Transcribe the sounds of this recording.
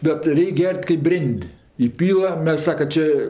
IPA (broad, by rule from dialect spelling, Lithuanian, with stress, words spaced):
bʲɛt ˈrʲɛɪkʲ ˈɡʲɛrʲtʲ kɐɪp ˈbʲrʲeːnʲtʲ iːˈpʲiːlˠɐ ˈmʲɛs ˈsɑːkɐ ˈt͡ʃʲeː